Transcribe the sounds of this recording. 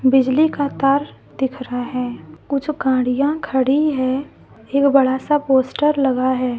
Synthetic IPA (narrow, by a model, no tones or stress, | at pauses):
bɪd͡ʒlikat̪aːɾ | d̪ɪkʰɾaɦɛːkʊt͡ʃʰɡãːɽ̤ijãkʰəɽiɦɛː | eːkbɐɽasapoːsʈəɾlɐɡaɦɛː